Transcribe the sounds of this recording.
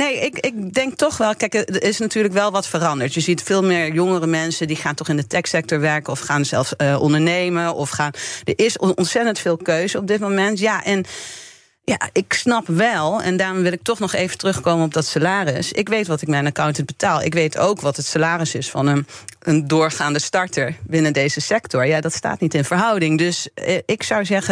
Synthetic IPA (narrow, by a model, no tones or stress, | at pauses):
nejʔɪkɪk̚dɛŋk̚tɔχʋɛlˠkɛjkəɪsnatyːɹləkʋɛlˠʋɑtfərɑndəɹtjəzitfɪːlˠmɪːɹjɔŋərəmɛnsədiχaːntɔχɪndətɛksɛk̚tɔɹʋɛɹkəɔfχaːnsɛlˠfsəʔɔ̰ndəɹnejməʔɔfχaːnd̥əɹʔɪsɔnsɛtəntfɪːlˠkøɥzəɔb̚dɪt̚momɛntjaːʔɛn | ja̰ɪksnɑpʋɛlˠɛ̰ndaːrɔmʋɪlˠɪk̚tɔχnɔχejvəntərɵχkowmənɔb̚dɑtsalaːrɪsɪkʋejtʋɑtɪkmɛjnakawntənbətaːlˠɪ̰kʋejtʰo̰wkʋɑtɦətsalaːrəsɪsfɑnənəndʊːɹχaːndəstɑɹtəɹbɪnədejzəsɛktɔɹjadɑtsta̰ːtnitɪnvəɹɦʌwdɪŋdɵsəɪksʌwzɛχə